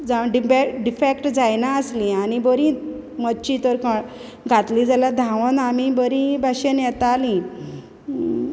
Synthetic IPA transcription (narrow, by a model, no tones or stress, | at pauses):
d͡zaɖbeɖifekʈd͡zajnaəslĩanibəɾĩ | məɕit̪əɾka | ɡʱat̪lĩd͡zalad̪ʱãʋənamibəɾĩbaɕenjɛt̪alĩ